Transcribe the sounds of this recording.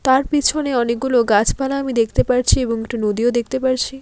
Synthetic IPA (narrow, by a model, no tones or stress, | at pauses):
t̪aɾpit͡ɕʰoneɔnek̚ɡuloɡat͡ɕʰpalaamid̪ekʰt̪epaɾt͡ɕʰieboŋek̚ʈunod̪iod̪ek̚ʰt̪epaɾt͡ɕʰi